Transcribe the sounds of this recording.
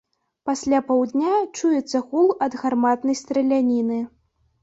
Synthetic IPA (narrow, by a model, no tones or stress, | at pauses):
pasʲlʲapawd̪nʲat͡ʂujɛt̪sːɐɣulˠɐd̪ɣarmat̪nɐjst̪ɾɐlʲanʲinɨ